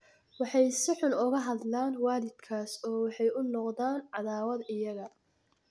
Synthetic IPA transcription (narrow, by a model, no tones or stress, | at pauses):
wɑħɑjsɪħʊnʊɣɐɦɐd̪laːnwaːlɪd̪̥kʰaːsɔːwɑħɑjʊnɔqðaːnʕɑðaːwɐd̪ɪjɐɣɐ